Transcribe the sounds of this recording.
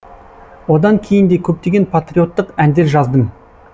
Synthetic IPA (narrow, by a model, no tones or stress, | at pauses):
wo̞d̪ɑŋkʲʰe̞jɪnd̪e̞kʲʰɵp̚t̪e̞ɡʲe̞npʰat̪ɾio̞t̪ːəqænd̪e̞ɾʒɑzd̪əm